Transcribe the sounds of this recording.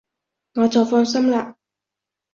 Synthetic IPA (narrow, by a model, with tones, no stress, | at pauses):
ŋɔː˨˧t͡sɐ˨˩wfɔː˧nsɐ˥mlaː˧